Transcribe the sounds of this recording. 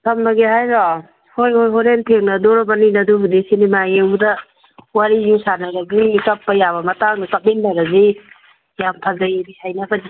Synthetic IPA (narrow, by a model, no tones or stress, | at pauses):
tʰɐmnaɡeɦajɾɔ | hojhojɦɔɾentʰeŋnɐdoɾɔbaninɐdubudisinimajeŋbudɐ | waɾijusanɐɾɐɡiikɐpːɐjabɐmɐtaŋnakap̚enːaɾɐzi | jampʰazajbisajnabʰadi